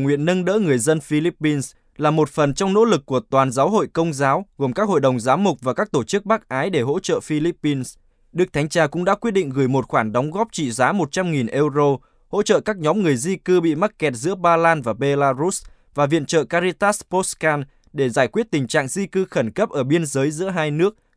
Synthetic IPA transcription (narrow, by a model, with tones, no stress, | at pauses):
ŋwḭ˧˨ənːə˧nɗə̰ː˧˥ŋɨ˨˩əjzə˧nfi˧li˦˥pːi˧ns | laː˨˩mo˨˩t̚fə˨˩nt͡ɕɔ˧wŋ͡mno̰˧˥lɨ˨˩kːu˧˩ət̪waː˨˩nzaː˨˦wɦo̰˧˨jkə˧wŋ͡mzaː˨˦wɣo˨˩mkaː˦˥k̚ho̰˧˨jɗə˨˩wŋ͡mzaː˨˦wmʊ˨˩k͡p̚vaː˨˩kaː˦˥k̚t̪o˧˩t͡ɕɨ˦˥k̚ɓa˦˥k̚ʔaː˨˦jɗe˧˩ɦo̰˧˥t͡ɕə̰ː˧˨fi˧li˦˥pːi˧ns | ɗɨ˦ək̚t̪ʰa˨˦ŋ̟t͡ɕaː˧˩kʊ̰˧˥ŋ͡mɗa̰ː˧˥kwi˦ət̚ɗḭ˧˨ŋ̟ɣɨ˧˩jmo˨˩t̚xwaː˧˩nɗɔ˨˦wŋ͡mɣɔ˦˥p̚t͡ɕḭ˧˨zaː˨˦mo˨˩t̚t͡ɕa˧mŋi˨˩nʔɛ˧wzo˧ | ho̰˧˥t͡ɕə̰ː˧˨kaː˦˥k̚ɲɔ˨˦mŋɨ˨˩əjzi˧kɨ˧ɓḭ˧˨ma˦˥t̚kɛ˨˩t̚zɨ̰˧˥əɓaː˧laː˧nvaː˨˩ɓe˧laː˧zu˦˥s | vaː˨˩vḭ˧˨ənt͡ɕə̰ː˧˨kaː˧zi˧t̪aː˦˥spo˦˥skaː˧n | ɗe˧˩zaː˧˩jkwi˦˥ət̚t̪ï˨˩ŋ̟t͡ɕa̰ː˧˨ŋzi˧kɨ˧xə˧˩nkə˦˥p̚ʔəː˧˩ɓi˧ənzəː˨˦jzɨ̰˧˥əɦaː˧jnɨ˦˥ək̚